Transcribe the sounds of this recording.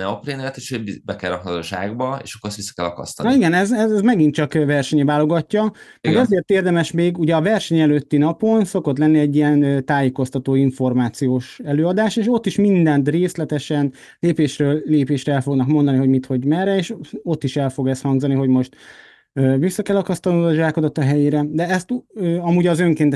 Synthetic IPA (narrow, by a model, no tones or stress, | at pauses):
nɛopreːnɛt̪eːʃoibɛkɛɾɒkhɒt̪oːʃa̰ːɡbɒḛːʃɒkːoɾɛst̪isːɒ̥kɛlːɒ̰kɒ̰st̪ɒniɡɛnɛzɛzɛzmɛɡint͡ʃɒkvɛrʃɛɲɛvaːlo̞ɡɒcːɒmɛɡɛzeːrt̪eːrd̪ɛmɛʃmeːɡuɟɛɒvɛrʃɛɲɛløt̪ːinɒpo̞nso̞ko̞t̪lɛnːiɛɟːijɛnt̪aːjeːko̞st̪ɒt̪oːiɱfo̞rmaːt̪sijoːʃɛløːɒd̪aːʃeːʃo̞t̪ːiʃmind̪ɛnt̪reːslɛt̪ɛʃɛn | leːpeːʃrøːlːeːpeːʃrɛɛlfo̞ɡnɒkmo̞nd̪ɒniɦo̞ɟmit̪ho̞ɟmɛɾɛeːʃo̞t̪ːiʃɛlfo̞ɡɛst̪hɒŋɡzɒniɦo̞ɟmo̞ʃt̪ | øːvisːɒkɛlːɒkɒst̪ɒnud̪ɒʒaːko̞d̪ot̪ɒɦɛjeːɾɛd̪ɛɛst̪øɒmuːɟɒzøŋkeːnt̪ɛ